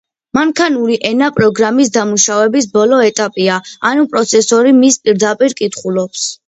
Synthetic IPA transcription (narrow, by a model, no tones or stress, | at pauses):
maŋkʰanuɾiʔɛnapʼɾɔɡɾamis̬d̪amuʃavɛbisbɔlɔɛt̪ʼapʼiaanupʼɾɔt̪sʰɛsɔɾimispʼiɾd̪apʼiɾkʼit̪ʰχulˠɔps